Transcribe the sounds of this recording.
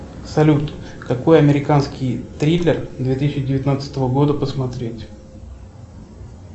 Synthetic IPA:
sɐlʲut̪kɐko̞jɐmʲɪɾʲɪkanskʲɪjt̪ɾʲilʲɪrd̪vʲet̪ɨsʲɪɕɪdʲɪvʲɪt̪nat̪sə̥t̪əvəɡo̞d̪əpəsmɐt̪ɾʲetʲ

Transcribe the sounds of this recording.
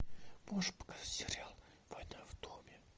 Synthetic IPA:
moʐɨpə̥kazatʲsʲɪrʲalˠ | vɐjnajvd̪omʲɪ

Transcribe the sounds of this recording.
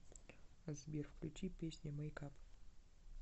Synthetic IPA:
azbʲirfklʲṵt͡ʃipʲesʲnʲemɐjkʰapʰ

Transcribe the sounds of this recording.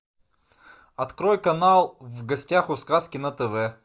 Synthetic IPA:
ɐt̪kɾojkɐnalˠvɡɐsʲtʲaxʊskaskʲɪnɐt̪ɛvɛ

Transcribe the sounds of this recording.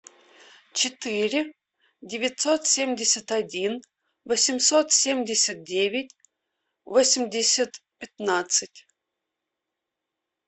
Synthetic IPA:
t͡ɕɪt̪ɨɾʲɪ | dʲɪvʲɪt̪sot̪sʲemʲdʲɪsʲət̪adʲin | vosʲɪmʲsot̪sʲemʲdʲɪsʲat̪̚dʲevʲɪt̚ʲ | vosʲɪmʲdʲɪsʲət̪pʲɪt̪nat̪sɨtʲ

